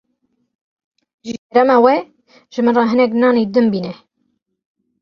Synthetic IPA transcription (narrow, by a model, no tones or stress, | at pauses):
ʒɨkɛɾɛmɑːwɛ | ʒ̥ɨmɨnrɑɦɨnɛk̬nɑːned̪ɨmbiːnɛ